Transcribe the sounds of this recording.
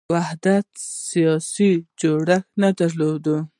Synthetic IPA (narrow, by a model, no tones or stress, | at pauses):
wahd̪at̪sijɑsid͡ʒoɽaxnad̪aɾlod̪ə